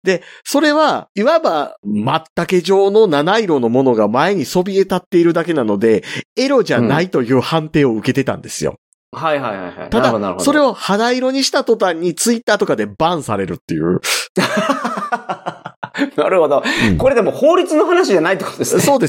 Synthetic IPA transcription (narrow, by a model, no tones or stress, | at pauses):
d̪e̞so̞ɾe̞βaiβabamat̪ːake̞ʑo̞ːno̞nanaiɾo̞no̞mo̞no̞ɡamae̞ɲ̟iso̞bʲie̞t̪at̪ːe̞iɾɯ̟d̪ake̞nano̞d̪e̞e̞ɾo̞ʑanait̪o̞jɯ̟ːhãnt̪e̞ːo̞ɯ̟ke̞t̪e̞t̪ã̰nd̪e̞sɨjo̰ | haiɦaiha̰jha̰iad̪aaɾoso̞ɾe̞o̞had̪aiɾo̞ɲ̟iɕi̥t̪at̪o̞t̪ãɲ̟ːit͡sɨit̪ːaːt̪o̞kad̪e̞bãɰ̃saɾe̞ɾɯ̟t̪ːe̞jɯ̟ː | naɾɯ̟hod̪õko̞ɾe̞d̪emo̞ho̞ːɾʲit͡sɨno̞ɦanaɕiʑanait̪ːokood̪esso̞ːd̪e̞s